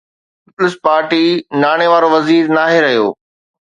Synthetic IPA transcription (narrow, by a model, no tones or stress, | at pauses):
ɪpʊlɪspaːɾʈinaːɽ̃eʋaːɾoʋɐziːɾnaːɦeɾɐɦijo̰ː